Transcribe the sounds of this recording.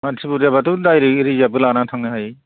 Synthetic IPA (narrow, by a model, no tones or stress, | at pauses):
mantʰibutjabatudajɾiɾizabɯlanatʰaŋɯhaj